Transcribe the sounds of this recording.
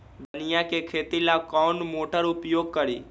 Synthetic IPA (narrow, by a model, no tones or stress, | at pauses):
d̪ʊnɪjakekʰeːt̪ilakɔːnmoːʈəɾʊpjoːɡ̚kəɾḭː